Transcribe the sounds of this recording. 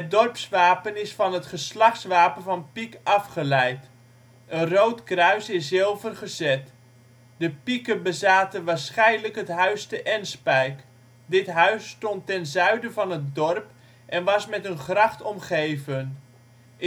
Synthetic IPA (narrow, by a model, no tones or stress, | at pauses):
ɦət̚dɔrpsʋaːpənɪsfɑnɦətχəslɑχsʋaːpənvɑnpikɑfχəlɛjt | ənrowtkrœɥsɪsːɪlˠvərχəzɛt | dəpikəbəzaːtəʋaːrsχɛjnləkɦətɦœɥstəʔɛnspɛjk | dɪtɦœɥsːtɔntɛnzœɥdəvɑnətdɔrp | ʔɛnʋɑsmɛtənχrɑχtɔmχejvən